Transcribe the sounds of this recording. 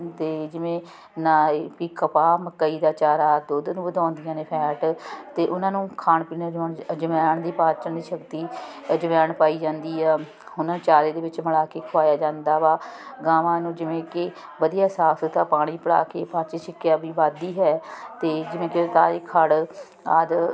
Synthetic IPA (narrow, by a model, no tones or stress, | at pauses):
t̪eːd͡ʒɪʋẽː | naːpiːkəpaːməkːəiːd̪aːt͡ʃaːɾaːd̪ʊd̪nũːbəd̪ãːnd̪ɪjãːneːpʰɛːʈt̪eːʔʊnãːnũːkʰaːɳpiːnaːd͡ʒɳd͡ʒəmɛːɳd̪iːpaːt͡ʃəɳd̪iːʃəkt̪iː | d͡ʒəmjaːɳpaːiːd͡ʒãːnd̪iːɦɛː | ɦʊnãːt͡ʃaːleːd̪eːʋɪt͡ʃməɽaːkeːkʰʋaːjaːd͡ʒãːnd̪aːʋaːɡaːʋãːnũːd͡ʒɪʋẽːkɪ | ʋəd̪ijaːsaːst̪aːpaːɽ̃iːpəɽa̰ːkeːpaːt͡ʃeːt͡ʃɪkːjaːbiːbaːd̪iːɦɛːt̪eːd͡ʒɪʋẽːkɪt̪aːɾiːkʰəɽ | a̰ːd̪